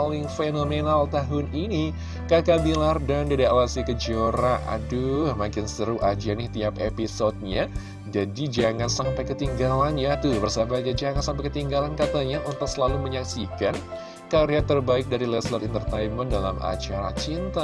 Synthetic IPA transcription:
olɪŋfenomenalt̪aɦʊnini | kakabilardandadialasikəd͡ʒoɾaʔa̰dumakɪnsəɾuʔad͡ʒianɪht̪iapepisot̪̚ɲa | d͡ʒadid͡ʒaŋansampajkət̪iŋɡalanjat̪ubərsabad͡ʒad͡ʒaŋansampajkət̪iŋɡalankat̪aɲaʔunt̪ʊk̚səlaluməɲaksikan | kaɾiat̪ərbaɪk̚daɾilɛslat̪int̪ərt̪ajnməndala̰ma̰t͡ʃaɾa̰t͡ʃint̪a

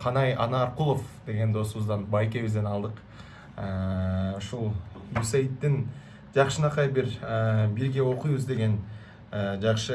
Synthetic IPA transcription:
qʰɑnɑjɑ̰nɑɾqulˠo̞fd̪̥e̞ɡʲe̞nd̪o̞suβəzd̪ɑnbɑjkʲe̞bɪzd̪e̞nɑlˠd̪əq | ə | ʃolˠmusejt̪ːɪŋ | ʒɑqʃənɑqʰɑjbɪɾəbɪɾɡʲe̞wo̞qujbəzd̪e̞ɡʲe̞n | əʒɑqʃə

